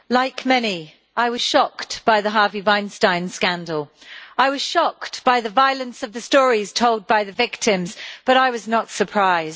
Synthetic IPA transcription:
laɪkmɛni | aɪwʌz̥ʃɒktb̥aɪðəɦɑɹvivãɪ̃nstãɪ̃nskæ̃ndˡl̩ˠaɪwʌz̥ʃɒkb̥aɪðɨvaɪlˠə̃nsʌvðɨstɔːɹiz̥tʰoʊlˠd̚baɪðɨvɪk̚tʰɪ̃mzb̥ʌɾaɪwʌznətsə˞pʰɹ̥aɪz̥

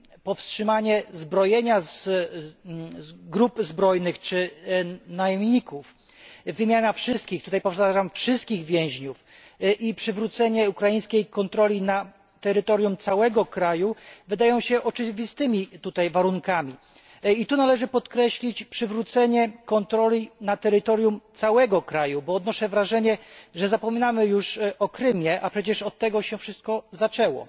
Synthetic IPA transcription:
pɔfstʂɘmaɲɛzbɾɔjɛɲaz | ɡɾupzbɾɔjnɘxt͡ʂɘnajɛmɲikuf | vɘmʲjanafʂɘst̪kʲixt̪ut̪ajpɔfʂaʐamfʂɘst̪̚kʲiɣvʲjɛ̃w̃ʑɲuf | ʔipʂɘvɾut̪sɛɲɛukɾajij̃skʲejkɔnt̪ɾɔlʲina | t̪ɛɾɘt̪ɔɾʲjumt̪sawɛɡɔkɾajuvɘd̪ajɔ̃w̃ɕɛʔɔt͡ʂɘvʲist̪ɘmʲit̪ut̪ajvaɾuŋkamʲi | it̪unalɛʐɘpɔt̪kɾɛɕlʲit͡ɕpʂɘvɾut̪sɛɲɛkɔnt̪ɾɔlʲinat̪ɛɾɘt̪ɔɾjumt̪sawɛɡɔkɾajubɔːd̪nɔʂɛvɾaʐɛɲɛʐɛzapɔmʲinamɘjuʂɔkɾɘmʲjɛʔapʂɛt͡ɕɛʂɔt̪ːɛɡɔɕɛfʂɘst̪̚kɔzat͡ʂɛwɔ̰

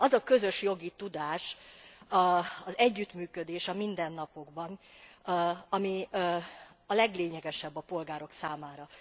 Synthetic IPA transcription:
ɒzɒkø̞zø̞ʃjo̞ɡit̪ud̪aːʃ | ɒzɛɟːyt̪myːkø̞d̪eːʃɒmind̪ɛnːɒpo̞ɡbɒn | ɒmi | ɒlɛɡleːɲɛɡɛʃɛbːɒpo̞lɡaːɾo̞ksaːmaːɾɒ

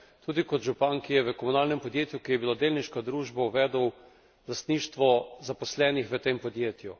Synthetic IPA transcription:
t̪uːd̪ikɔt̪ʒupankijɛʋəkɔmunaːlnɛmpɔd̪jeːt̪jukijɛbilad̪eːlniʃkad̪ɾuːʒbauʋɛːd̪əw | last̪niʃt̪ʋɔzapɔslɛːnixʋət̪eːmpɔd̪jeːt̪ju

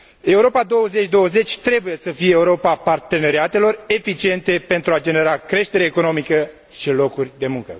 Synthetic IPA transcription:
e̞uɾo̞pad̪o̞wəze̞t͡ʃʲd̪o̞wəze̞t͡ʃʲt̪ɾe̞buje̞səfijeeːuɾo̞papart̪e̞ne̞ɾiat̪e̞lo̞re̞fit͡ʃie̞nt̪e̞pe̞nt̪ɾuad͡ʒe̞ne̞ɾakɾe̞ʃt̪e̞ɾeːko̞no̞mikə | ʃilo̞kurʲd̪e̞muŋkə̰

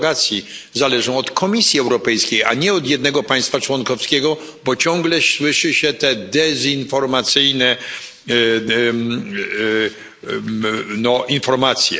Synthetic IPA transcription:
ɡat̪sʲjizalɛʐɔ̃w̃ɔt̪kʰɔmʲisʲjiɛwɾɔpɛjskʲejaɲɛɔd̪jɛd̪nɛɡɔpãj̃st̪fat͡ʂwɔnkɔfskʲɛɡɔ | bɔt͡ɕɔ̃ŋɡlɛɕwɘʂɘɕɛt̪ɛd̪ɛzinfɔɾmat̪sɘjnɛ | nɔʔinfɔɾmat̪sʲjɛ̰

